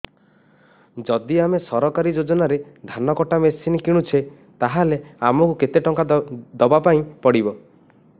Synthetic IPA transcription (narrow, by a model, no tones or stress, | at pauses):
d͡ʒɔd̪iamesɔɾɔkaɾid͡ʒod͡ʒɔnaɾed̪ʱanɔkɔʈamesinikiɽ̃ut͡ʃʰe | t̪aɦaleamɔkuket̪eʈɔŋkad̪ɔbapaĩpɔɽibɔ